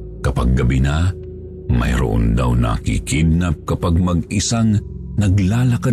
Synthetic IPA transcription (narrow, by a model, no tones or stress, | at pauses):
kɐpaɡːɐbina | mɐ̰jɾo̰ʔo̰nd̪awnɐ̰kḭkid̪̚nap̚kɐpaɡ̚mɐɡɪsaŋnɐɡlaːlɐka